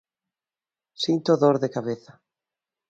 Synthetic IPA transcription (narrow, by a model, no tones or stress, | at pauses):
sint̪oðoɾðekaβeθḁ